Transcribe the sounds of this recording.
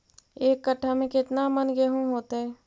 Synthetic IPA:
eːkːəʈʰːamẽkɪt̪namənɡeɦũɦoːt̪eɦɛː

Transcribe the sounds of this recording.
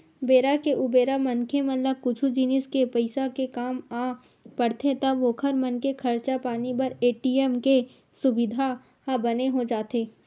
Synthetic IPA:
beːɾakeʔʊbeːɾamɐnkʰemɐ̃nlakʊt͡ʃʰud͡ʒinɪskepɐɪsakekaːmaː | pɐɽt̪et̪ɐbʋokʰɐɾmɐnkekʰɐɾt͡ʃapaːnibɐɾeːʈiːɛmke | sʊbɪd̪ʱa | habɐneɦod͡ʒaːt̪eː

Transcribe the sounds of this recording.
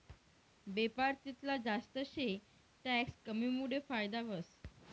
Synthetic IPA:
bepaɾt̪it̪lad͡zast̪əɕe | ʈækskəmimuɽefajd̪aʋəs

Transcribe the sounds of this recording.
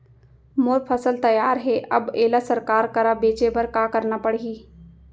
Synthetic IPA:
moːɾpʰəsəlt̪ɐjaːɾɦeʔɐ̰beːlasɐɾkaːɾkɐɾabeːt͡ʃebɐɾkaːkəɾnapəɽɦiː

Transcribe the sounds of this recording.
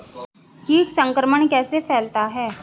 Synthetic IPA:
kiːʈsə̃ŋkɾəməɳkɛːsepʰɛːlt̪aɦɛː

